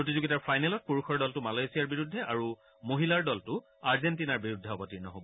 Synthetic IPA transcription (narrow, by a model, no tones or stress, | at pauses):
pɹotizuɡitaɹpʰajnɛlɔt̚puɹukʰɔɹdɔltʊmalajsijaɹbiɹudʱːɛʔaɹu | moɦilaɹdɔltʊ | aɹzɛntinaɹbiɹudʱːɛɔbɔtiɹnɔɦobɔ